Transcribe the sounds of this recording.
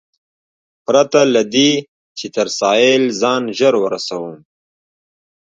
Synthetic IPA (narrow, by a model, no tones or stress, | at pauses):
pɾat̪alad̪i | t͡ʃet̪əɾsɑjelzɑnʒəɾwəɾasawum